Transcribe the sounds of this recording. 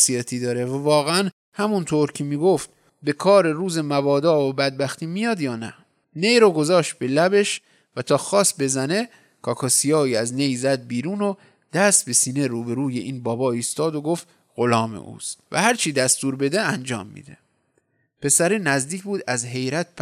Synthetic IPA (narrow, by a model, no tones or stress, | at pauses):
sijɒt̪ʰiːd̪ɒːɾevævɒːɣeæn | hæmunt̪ʰoːɾcʰemiːɡoft̪ | be̞kʰɒːɾeɾuːze̞mævɒːd̪ɒːobæd̪̚bæxt̪ʰiːmijɒːd̪jɒːnæ̰ | nejɾoɡo̞zɒːʃt̪̚be̞læbe̞ʃ | væt̪ʰɒːxɒːsbe̞zæne̞ | kʰɒːkʰɒːsijɒːiːæznejzæd̪̚biːɾuːno | d̪̥æst̪̚be̞siːne̞ɾuːbe̞ɾuːjeʔiːnbɒːbɒːiːst̪ɒːd̪oɡoft̪ | ɣo̞lɒːmḛʔṵːst̪væ̰hæɾt͡ʃʰid̪æst̪uːɾbe̞d̪eænd͡ʒɒ̰ːmːḭd̪ḛ | pʰe̞sæɾinæzd̪iːkʰbuːd̪æzɦe̞jɾæt̪̚p